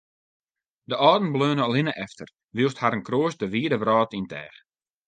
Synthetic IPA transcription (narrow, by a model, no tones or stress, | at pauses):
dəʔɔːdn̩bløːnəɔlɪnəʔɛftər | ʋilˠsthaɾənkroəsdəʋiːədəʋrɔːtintʰɛ̰ːx